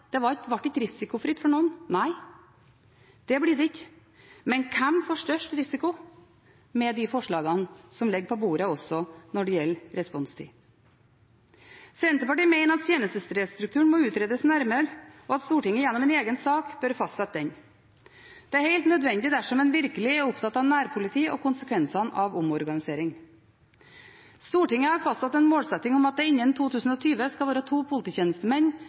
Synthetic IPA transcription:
d̪̥ɛʋɑʋɑʈ̚ːɪkːəɾɪsɪkʊfɾɪt̪ːfɔɳuːnnæɪ | d̪̥ɛbliːd̪ɛɪkːə | mɛnkʰɛmfoɔːʂʈœʂʈɾɪsɪkʊ | mɛd̪ɪfɔʂɭɑːɡɑnsɔmlɛɡpʰɔbuːɾəɔsɔnɔɖɛjɛlːɾɛspɔnst̪ʰḭː | sɛnt̪əpɑʈiːmæɪnəɾɑt̪t̪ʰjeːnəst̪əst̪ɾeːst̪ɾʉk̚t̪ʰʉːəɳmɔʉːt̪ɾeːd̪əsnæɾməɾɔːɑt̪st̪uːʈɪŋːəjɛnːɔmɛːneːɡənsɑːkb̥œɾfɑst̪sɛt̪̚d̪ɛn | d̪̥ɛæɾheɪlt̪nœd̪ʋɛnd̪ɪd̪æʂɔmɛnʋɪɾkəlɪɛɾʊpt̪ʰɑt̪ɑːʋnæːɾpʰʊlɪt̪ʰiːɔ̰kʰʊnsəkʰʋɛnsɑnʔɑʋʊmɔɾɡɑnɪseːɾɪŋ | st̪uːʈɪŋːəhɑɾfɑst̪sɑt̪ɛnmoːlsɛt̪ːɪŋɔmɑt̪̚d̪ɛɪɲːənt̪ʰuːt̪ʰʉːsən̩ɔːt̪ʰyːʋəskɑʋɑːɾət̪ʰuːpʰʊlɪt̪iːçeːnəst̪əmɛn

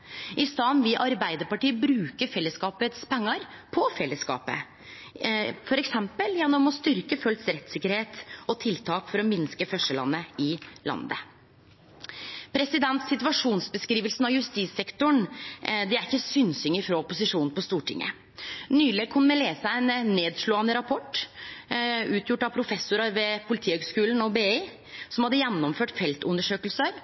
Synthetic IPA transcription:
ʔɪst̪ɑːnʋɪʔɑɾbæɪd̪əɾpɑʈiːəbɾʉːkəɾfɛlːəskɑːpət̪spʰɛŋːɑɾ | pʰɔfɛlːəskɑ̰ːpə̰ | fɔɾɛksɛmpəljɛnːɔmɔst̪ʏɾkəfœlt̪sɾɛt̪sɪkːəɾheːt̪ɔt̪ʰɪlt̪ʰɑːkfɔɾɔmɪnskəfœʂəlɑ̰nːəɪlɑ̰nd̪ə̰ | pʰɾɛsɪd̪ɛnt̪sɪt̪ʉʋɑʂuːnsbəskɾiːʋəlsnɑʋjʉst̪iːsɛkt̪ʊɳd̪ɛæɾɪkːəsʏːnsʏŋːəɾfɾɔɔpːʊsɪʂuːnnpɔst̪uːʈʰɪ̰ŋːʔə̰ | nyːleːɡ̚kʰʊnːmɛleːsəænnːeːd̪ʂɭoːɑnəɾɑpʰɔʈ | ʉːt̪ʰjʊʈːɑpʰɾʊfɛsːʊɾɑɾʋɛpʰʊlɪt̪ʰiːhøɡskʉːln̩ɔbeːe | sɔmhɑd̪ːəjɛnːɔmføːʈfɛlt̪ʊnd̪əʂøːkəlsəɾ

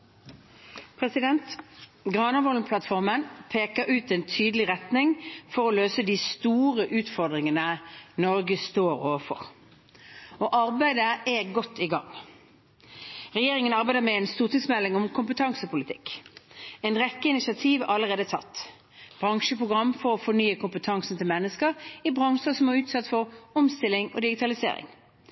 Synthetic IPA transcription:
pʰʁɛsɪd̪ɛnt̪ɡʁɑːnɑʋɔlnpʰlɑt̪fɔʁmənpʰeːkəɾʉːt̪ɛnt̪ʰyːd̪əlɪʁɛt̪nɪŋfɔʁɔløːsəd̪ist̪uːʁəʔʉːt̪fɔʁd̪ʁɪŋənənɔʁɡəst̪oːɾo̰ːʋəfɔ̰ʁ | ɔːʔɑʁbæɪd̪əɛɡɔt̪ːɪɡɑŋ | ʁɛjeːʁɪŋənɑʁbæɪd̪əʁmɛɛɪnst̪uːʁt̪ɪŋsmɛlːɪŋɔmkʰʊmpət̪ʰɑŋsəpʊlɪt̪ʰɪkː | ɛɪnʁɛkːəɪnɪsɪɑt̪ʰiːʋʔɑləʁeːd̪ət̪ʰɑ̰t̪ː | b̥ʁɑŋʃəpʁʊɡʁɑmːfɔʁɔfɔnyːəkʰʊmpət̪ʰɑŋsn̩t̪ɪlmɛnːəskəʁɪbʁɑŋʂəsɔmæʁʉːt̪sɑt̪ːfɔʁɔmst̪ɪlːɪŋɔ̰d̪ɪɡɪt̪ʰɑlɪsḛːɾɪ̰ŋ

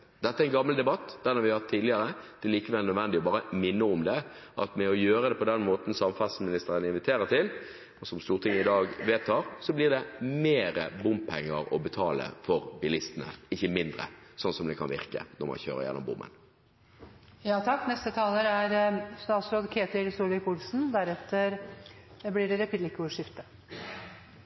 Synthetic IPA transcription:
d̪ɛt̪ːəæɛnɡɑmːəld̪ɛbɑt̪ːd̪̥ænɑɾʋɪhɑhɑt̪ʰːiːd̪lɪəɾəd̪ɛæliːkəʋɛlnœd̪ʋɛnd̪ɪɔbɑːɾəmɪnːəʊmd̪ɛʔɑ̰t̪mɛɔjøːɾəd̪ɛpɔd̪ɛnmoːt̪n̩sɑmfɑsmɪnɪst̪əɾənɪnʋɪt̪ʰeːɾət̪ʰɪl | ɔsɔmst̪uːʁət̪ʰɪŋːəɪd̪ɑːɡʋeːt̪ʰːɑːɾsɔblɪʁd̪ɛmeːɾəbʊmpʰɛŋːəɾɔ̰bɛt̪ʰɑːlə̰fɔʁbɪlɪst̪ənə̰ɪçːəmɪnd̪ʁə̰sɔnsɔmd̪ɛkʰɑ̰nʋɪ̰ʁkə̰d̪ɔmɔ̰çø̰ːʁɾə̰jɛ̰nːɔ̰mbʊ̰mːə̰n | jɑːt̪ʰɑkːnɛst̪ət̪ʰɑːləɾæɾst̪ɑːsɾɔd̪kʰeːt̪ɪlsuːlɪkʊlsn̩d̪æɾɛt̪ːəɾ | blɪɖɛɾɛpɪlɪkːʊʂɪft̪ə̥

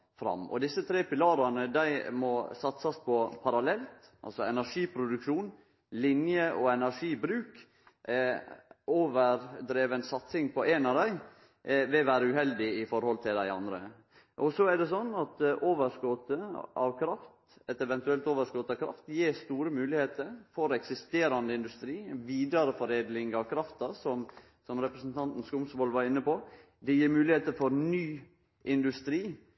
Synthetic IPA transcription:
fɾɑ̰mːɔ̰d̪ɪsːət̪ʰɾeːpɪlɑːɾɑnəd̪æɪmɔsɑt̪sɑspʰɔpʰɑɾɑlɛlt̪ʔɑ̰lsɔɛnæɾʂiːpʰɾʊd̪ʉkʂuːn | lɪnjəʔɔɛnæɾʂiːbɾʉːk | oːʋəɾd̪ɾeːʋənsɑt̪sɪŋpʰɔʔænɑʋd̪æɪ | ʋɪʋæːɾəʉhɛld̪ɪɪfɔɾhɔlt̪ʰɪld̪æɪɑ̰nd̪ɾə̰ | ʔɔsɔæɖɛsɔnːɑt̪ʔoːʋəɾskɔt̪əɑ̰ʋkʰɾɑft̪ɛt̪ɛʋɛnt̪ʉɛlt̪oːʋəɾskɔt̪əɑʋkʰɾɑ̰ft̪jeːɾst̪uːɾəmʉːlɪheːt̪əɾfɔɾɛksɪst̪eːɾɑnd̪əɪnd̪ʉst̪ɾiːʋiːd̪ɑɾəfɔɾeːd̪lɪŋɑʋkʰɾɑft̪ɑsɔm | sɔmɾɛpɾəsn̩t̪ʰɑnt̪n̩skʊmsʋɔːlʋɑɾɪnːəpɔ | d̪ɛjiːɾmʉːlɪheːt̪əɾfɔɾnyː | ʔɪnd̪ʉst̪ɾiː

